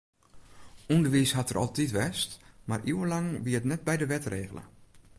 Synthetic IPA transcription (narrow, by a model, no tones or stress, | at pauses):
undəʋishatərʔɔ̰lˠtitʋɛstmarʔiwəlaŋʋiətnɛt̚bɛjdəʋɛtreːɣələ̰